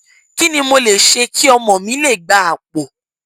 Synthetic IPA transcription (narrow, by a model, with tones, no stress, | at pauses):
ki˦nĩ˧mo˧le˨ʃe˧ki˦ɔ˧mɔ̃˨mĩ˨˦le˦˨ɡ͡ba˨˦a˨k͡po˨